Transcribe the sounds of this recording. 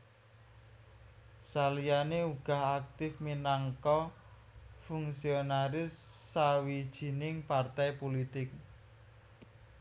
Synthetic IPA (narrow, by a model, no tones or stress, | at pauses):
salijaneuɡ̥a̤ɦak̚t̪ɪfminaŋkɔ | fuŋsionaɾɪsːawid̥ʒ̥i̤nɪŋpart̪ɛjpolit̪ɪk̚